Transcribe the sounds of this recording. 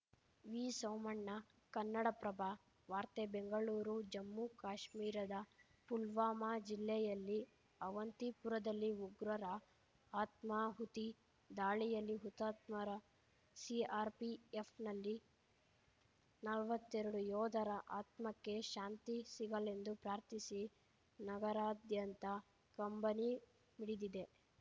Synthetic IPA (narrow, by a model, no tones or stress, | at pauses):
ʋiːsɐwmɐɳːɐ | kɐnːɐɽɐpɾɐbʱa | ʋaːɾt̪ebeŋɡɐɭuːɾud͡ʒɐmːukaːʃmiːɾɐd̪ɐ | pulʋaːmaːd͡ʒilːɛjɐlːi | ɐʋɐnt̪ipuɾɐd̪ɐlːiuɡɾɐɾɐ | aːt̪maɦut̪i | d̪aːɭijɐlːiɦut̪aːt̪mɐɾɐ | siaːɾpiepʰnɐlːi | nɐlʋɐt̪ːɛɾɐɽujɔːd̪ʱɐɾɐʔaːt̪mɐkːe̞ʃaːnt̪isiɡɐɭe̞nd̪upɾaːɾt̪isi | nɐɡɐɾaːd̪jɐnt̪ɐ | kɐmbɐni | miɽid̪id̪e̞